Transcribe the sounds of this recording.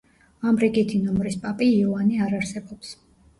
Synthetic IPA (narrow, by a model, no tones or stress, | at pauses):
amɾiɡit̪ʰinɔmɾispʼapʼiːɔaniaɾaɾsɛbɔps